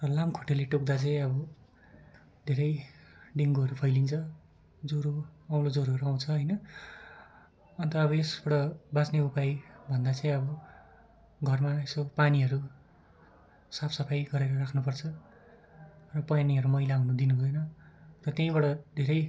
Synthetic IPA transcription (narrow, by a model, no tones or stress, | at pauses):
rʌlamkʰoʈeleʈok̚d̪at͡sãĩʌbʌ | d̪ʱeɾʌjɖiŋɡuɦʌɾupʰʌjlint͡sʰʌ | d͡zoɾoaw̃lod͡zoɾoɦʌɾuaw̃t͡sʰʌɦʌjnʌ | ʌnt̪ʌːbʌesbʌɽʌbat͡sneupajbʱʌnd̪at͡saĩʌbʌ | ɡʱʌrmaesopaniɦʌɾu | sapʰsʌpʰajɡʌɾeɾʌrakʰnupʌrt͡sʰʌ | rʌpʌjaniɦʌɾumʌjlaawnud̪inubʱʌjnʌrʌt̪jʌ̃ĩbʌɽʌd̪ʱeɾʌj